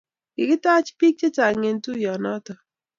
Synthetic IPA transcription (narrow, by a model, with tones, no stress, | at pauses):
ɡɪ˨kɪ˦ta˦t͡ʃpi˦k̚t͡ʃe˦t͡ʃa˨ŋe˨ntu˦jɔ˨nɔ˦tɔ˨